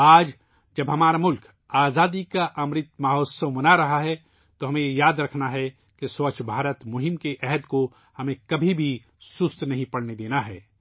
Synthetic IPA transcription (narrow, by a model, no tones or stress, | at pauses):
aːd͡ʒ | d͡ʒɐbɦɐmaːɾamʊlk | aːzaːd̪ikaʔɐmɾɪt̪maːɦoːsəwmɐnaɾɐɦaɦɛ | t̪oɦɐmẽjejaːd̪ɾɐkʰnaɦɛ | kesʋət͡ʃʰbʱaːɾət̪mʊɦɪmkeʔɛɦəd̪ko | hɐmẽkɐbʱibʱi | sʊst̪nɐɦĩpɐɽned̪eːnaɦɛː